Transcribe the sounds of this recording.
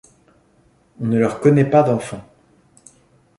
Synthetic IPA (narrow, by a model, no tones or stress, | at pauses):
ɔ̃nəlœʁkɔnɛpad̪ɑ̃fɑ̃